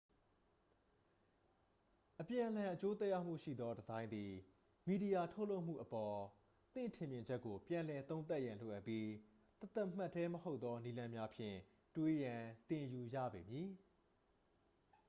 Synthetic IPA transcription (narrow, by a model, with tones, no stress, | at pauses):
ʔəpjã˨ʔəl̥ã˨ʔət͡ɕo˦t̪ɛ˦ja˦ʊm̥ṵ˦˨ʃḭ˦˨d̪ɔ˦dəzã˦ɪ̃nd̪i˨ | mi˨di˨ja˨tʰo˦ʊʔlo˦ʊʔm̥ṵ˦˨ʔəpɔ˨ | t̪ɪ̰̃˦˨ntʰɪ̃˨mjɪ̃˨ɲd͡ʑɛ˦kːo˨pjã˨lɛ˨t̪õ˦ʊ̃t̪a˦ʔjã˨lo̰˨ʔa˦ʔpːji˦ | t̪t̪a˦ʔm̥a˦˨tʰːɛ˦məho˦ʊt̪ːɔ˦ni˦lã˦mja˦pʰjɪ̰̃˦˨ | twe˦jã˨t̪ɪ̃˨ju˨jä̰˦˨be˨mji˨